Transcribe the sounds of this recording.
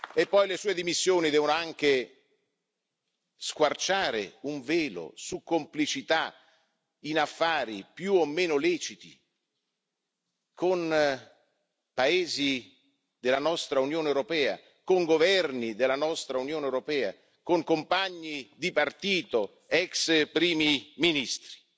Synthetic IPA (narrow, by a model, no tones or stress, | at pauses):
epːɔjlesuːed̪imisːjoːnid̪ɛːvonoaŋk̟e | skwart͡ʃaːɾḛuɱveːlo̰sukːomplit͡ʃit̪a | inafːaːɾipjuomːeːnolɛːt͡ʃit̪i | kon | paeːzi | d̪ɪlːanɔst̪ɾaunjoːneɛwɾopɛːa̰ | koŋɡovɛrnid̪elːanɔst̪ɾaunjoːnɛwɾopɛːa | koŋkompaɲːid̪ipart̪iːt̪o | ɛkspɾiːmiminist̪ɾi̥